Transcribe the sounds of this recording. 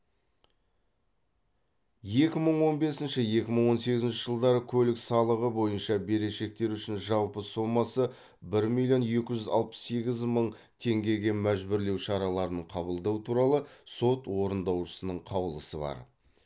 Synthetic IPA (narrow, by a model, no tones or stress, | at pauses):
je̞kʲɪməɴwo̞nbe̞sɪnʃɪje̞kʲɪməɴwo̞nse̞ɡʲɪzɪnʃɪʒəlˠd̪ɑɾəkʲʰɵlɪksɑlˠəʁəbo̞jənʃɑbe̞ɾe̞ʃe̞k̚t̪e̞ɾʏʃɪnʒɑlˠpəso̞mːɑsə | bɪɾmilʲjo̞nje̞kʲɪʒʏzɑ̰lˠpə̥sse̞ɡʲɪzməɴ | t̪ʰe̞ŋɡʲe̞ɡʲe̞mæʒbɪɾle̞wʃɑɾɑlˠɑɾənəɴqʰɑβəlˠd̪ɑwt̪ʰuɾɑlˠəso̞t̪wo̞ɾənd̪ɑwʃə̥sənəɴqʰɑwəlˠəsəbɑ̰ɾ